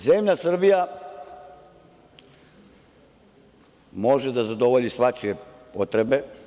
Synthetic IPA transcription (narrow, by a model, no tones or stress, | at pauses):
ze̞mʎasr̩bija | mo̞ʒed̪azad̪o̞ʋo̞ʎisʋat͡ʃije̞pot̪ɾe̞be̞